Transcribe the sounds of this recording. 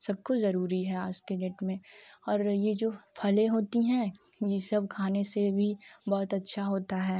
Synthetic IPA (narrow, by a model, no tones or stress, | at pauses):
sɐb̚kozɐɾuːɾiɦɛaːd͡ʒkeneːʈmẽɔːɾjed͡ʒoːpʰɐlẽɦoːt̪iɦɛ̃ | jesɐbʱkʰaːnesebʱibɔːt̪ɐtːʃʰaɦoːt̪aɦɛː